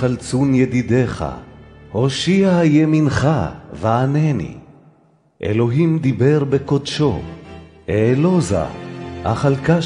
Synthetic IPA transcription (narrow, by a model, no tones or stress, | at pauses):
alt͡sunjed̪id̪eχa̰hoʃiajeminχavaanenḭ | ʔḛloɦimd̪ibeʁbekod̪ʃo̞̰ | eːloza̰ʔa̰χalka